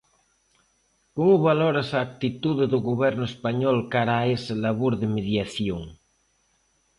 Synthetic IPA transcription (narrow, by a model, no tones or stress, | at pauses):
komuβaloɾasaːk̚t̪it̪uðeðuɣoβɛɾnʊespaɲɔlkaɾaeselaβoɾðemeðjaθjoŋ